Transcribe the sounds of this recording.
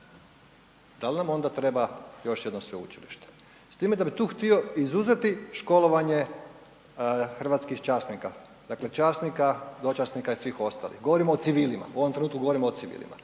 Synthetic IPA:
d̪alinamo̞nd̪at̪ɾe̞bajo̞ʃje̞d̪nosʋe̞ṵt͡ʃiliʃt̪e̥ | st̪iːmed̪abit̪uːxt̪io̞izuzet̪iʃko̞lˠoʋaɲe̞ | xr̩ʋat̪skixt͡ʃaːsnika | d̪̥aklet͡ʃaːsnikad̪o̞t͡ʃasnikaisʋiːxo̞st̪a̰ːlˠḭxɡoʋoɾimoːt̪siʋiːlima̰uo̞ʋo̞mt̪ɾenuːt̪kuɡo̞ʋo̞ɾimoːt̪siʋḭːlˠḭma̰

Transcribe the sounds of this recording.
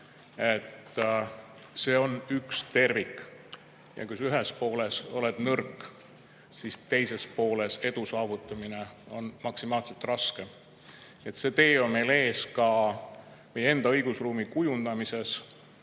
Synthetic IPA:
e̞t̪ː | se̞ːo̞nykst̪e̞rvikːˑ | jɑ̰kujsyɦespo̞ːleso̞̰led̪̥nɤrkːˑ | sist̪e̞jse̞spo̞ːle̞se̞d̪̥usɑːvut̪ːˑɑmine̞o̞nmɑksimɑːlse̞lt̪ˑrɑske̞ | e̞t̪se̞t̪e̞ːo̞nme̞jle̞ːskɑ | me̞jee̞nd̪̥ɑɤjɡ̥usruːmikujund̪̥ɑmise̞s

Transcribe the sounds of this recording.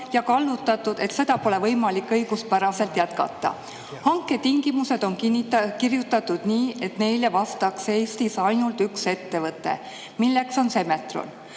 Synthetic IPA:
jɑkɑlːut̪ːˑɑt̪ːˑud̪̥e̞t̪se̞d̪ɑpo̞le̞vɤjmɑlikːˑɤjɡ̥uspæɾɑse̞lt̪jæt̪̚kɑ̰t̪ːˑɑ̰ | hɑŋkːˑe̞t̪iŋɡ̥imuse̞d̪̥o̞nknːkirjut̪ːˑɑt̪ːˑud̪̥niːe̞t̪ne̞jle̞vɑst̪ɑkse̞ːst̪isɑjnult̪ykse̞t̪ːe̞vɤt̪ˑːe̞̰ | milːe̞kso̞nse̞me̞t̪ro̰n

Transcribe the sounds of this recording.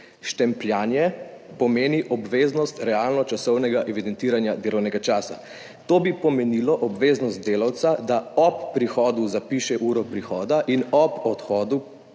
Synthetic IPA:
ʃt̪ɛmpljaːnjɛpɔmeːniʔɔbʋeːznɔst̪ɾɛaːlnɔt͡ʃasɔwnɛɡaʔɛʋid̪ɛnt̪iːɾanjad̪eːlɔwnɛɡat͡ʃaːsa̰ | t̪oːbipɔmɛnilɔʔɔbʋeːznɔst̪̚d̪eːlawt̪sad̪aɔpːɾixɔːd̪uzapiːʃɛʔuːɾɔpɾixɔːd̪aʔinɔpɔt̪xɔːd̪u

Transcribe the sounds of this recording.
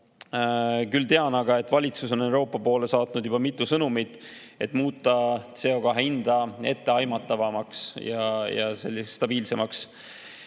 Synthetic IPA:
kylt̪e̞ɑnɑɡ̥ɑe̞t̪ːˑvɑlʲit̪suso̞ne̞wɾo̞ːpːˑɑpo̞ːle̞sɑːt̪nud̪̥jub̥ɑmit̪ːˑusɤnumid̪ | e̞t̪ːˑmuːt̪ˑːɑt̪se̞o̞kɑɦind̪̥ɑe̞̰t̪ːe̞ɑjmɑt̪ːˑɑvɑmɑksjɑjɑse̞̰lʲːist̪ɑb̥iːlse̞mɑks

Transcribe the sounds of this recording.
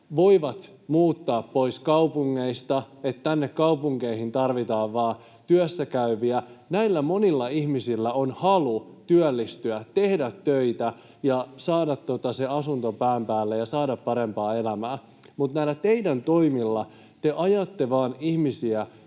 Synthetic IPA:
ʋoiʋɑt̪ | muːt̪ːɑːppo̞iskɑupuŋːeist̪ɑet̪tænːekkɑupuŋkeihint̪ɑrʋit̪ɑːʋʋɑː | t̪yøsːækæyʋiænæilːæmo̞nilːɑihmisilːæonhɑlut̪yœlːist̪yætt̪e̞hdæt̪tøit̪æ | jɑsɑːdɑt̪ːot̪ɑseɑsunt̪opæːmpæːlːejɑsɑːdɑppɑɾe̞mpɑːelæmæː | mut̪næilːæt̪eidænt̪o̞imilːɑ | t̪eʔɑjɑt̪ːeʋɑːnihmisiæ

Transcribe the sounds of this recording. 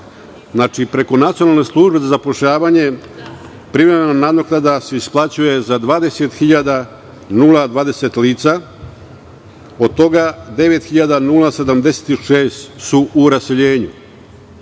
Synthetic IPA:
znat͡ʃipɾe̞ko̞nat̪sijonalne̞slˠuʒbe̞zazapo̞ʃʎaːʋaɲe̞ | pɾiʋɾemenanad̪ok̪ad̪aseisplˠat͡ɕuje̞zad̪ʋaːd̪e̞set̪xiʎad̪a | nulad̪ʋaːd̪e̞set̪liːt̪sa | o̞d̪̚t̪o̞ɡad̪e̞ʋe̞t̪xiʎad̪anulˠase̞d̪amd̪e̞se̥t̪iʃeːst̪suʔuɾase̞ʎe̞ːɲṵ

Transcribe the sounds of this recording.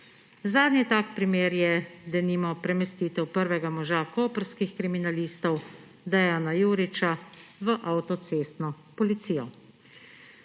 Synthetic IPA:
zaːd̪nʲit̪aːkpɾimeːɾjɛd̪ɛniːmɔpɾɛmɛst̪iːt̪ɛwpəɾʋɛɡamɔʒakoːpɾskixkɾiminaliːst̪ɔw | d̪ajaːnajuːɾit͡ʃaʋəʔawt̪ɔt̪seːst̪nɔ | pɔlit̪siːjɔ

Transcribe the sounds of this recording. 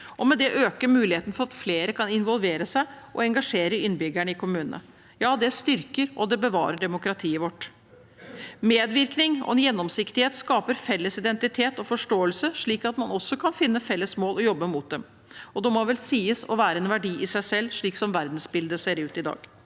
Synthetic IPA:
ʔɔmɛd̪ɛʔøːkəɾmʉːlɪheːt̪nəfɔɾɑt̪fleːɾəkʰɑnɪnʋɔlʋeːɾəsæɪʔɔɛŋɡɑʂeːɾəɪnbʏɡæɳəɪkʰʊmʉːn̰nə̰ | jɑːd̪ɛst̪ʏɾkəɾʔɔd̪ɛbəʋɑ̰ːɾəɖɛmʊkɾɑt̪ʰiːəʋɔʈː | meːd̪ʋɪɾknɪŋɔ̰ɛnjɛnːɔmsɪkt̪ɪheːt̪skɑːpəɾfɛlːəsɪd̪ɛnt̪ɪt̪ʰeːt̪ɔfɔʂʈoːəlsəʂɭiːkɑt̪mɑnɔsːɔkʰɑnfɪnːəfɛlːəsmoːlɔjɔbːəmʊt̪̚d̪ɛm | ɔd̪ɛmɔʋɛlsiːəsɔ̰ʋæːɾəɛnʋæɖiːʔɪsæɪsɛlːʂɭiːksɔmʋæɾd̪n̩sbɪld̪əseːɾʉːt̪ɪd̪ɑ̰ːɡ̥

